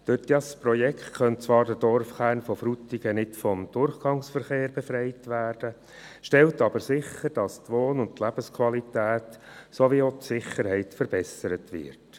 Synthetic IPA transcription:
d̪̥ødɑspɾɔjɛkχtkœntt͡sʋɑːɾdədɔɾfχæːrnfɔfɾutiɡ̥ənɪtfɔmd̥ʊrχɡ̥ɑŋsfəɾχeːɾbɛfɾɛɪtʋæːɾd̥ə | ʃtɛltɑbəɾsɪχːəɾd̥ɑstʋoːnʊntlæb̥əskʰʋɑlitæːtsoʋiotsɪχəɾhɛɪtfəɾb̥ɛsəɾətʋɪ̰t

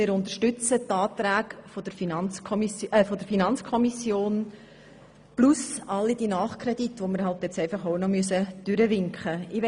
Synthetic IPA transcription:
mɪːɾʊnt̪əɾʃtʏt͡sətɑːtɾæːkfod̥əɾfinɑnt͡sʰɔmisfod̪əɾfinɑnt͡skʰɔmisjoːn | plusɑlːid̥inɑːχkʰɾɛditʋoməɾɦɑltjɛt͡sɛɪfɑχoʊnɔmyəs̬əd̥ʏɾəvɪŋkχəɪʋ

